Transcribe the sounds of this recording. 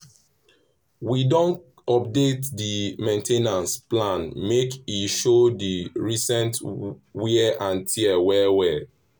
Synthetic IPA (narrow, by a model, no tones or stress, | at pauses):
widɔ̃nt | ɔp̚detdimẽntʰenãnsplãnmekiʃodiɹisɛ̃ntwiɛʔãntʰiɛwɛwɛ